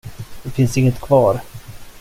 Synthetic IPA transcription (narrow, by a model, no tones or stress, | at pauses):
d̪ɛfɪnsɪŋːət̪kʰvɑːɾ